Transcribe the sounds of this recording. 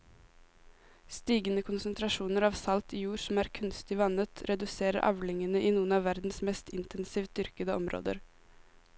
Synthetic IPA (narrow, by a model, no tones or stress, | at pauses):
st̪iːɡənəkʰʊnsənt̪ʰɾɑʃuːnəɾɑːʋsɑlt̪iːjuːɾsm̩æːɾkʰʉnst̪ɪʋɑnət̪ʰɾɛd̪ʉseːɾə̰ɾʔɑ̰ʋlɪŋənəʔiːnuːənɑːʋæɾd̪n̩smɛst̪ʰɪnt̪ənsiːʋd̪ʏɾkəd̪əɔmɾʔo̰ːd̪ə̰ɾ